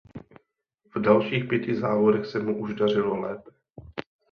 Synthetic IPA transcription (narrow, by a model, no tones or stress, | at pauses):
vdalʃiːxpjɛcɪzaːvodɛxsɛmuʔuʒdar̝ɪlolɛːpɛ̥